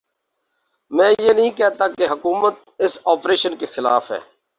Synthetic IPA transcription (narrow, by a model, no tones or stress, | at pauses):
mɛ̃ːjeːnəɦĩːkɛːt̪aːkeɦəkuːmət̪̚ | ɪsoːpɾeːʃənkexɪla̰ːfɦɛ̰ː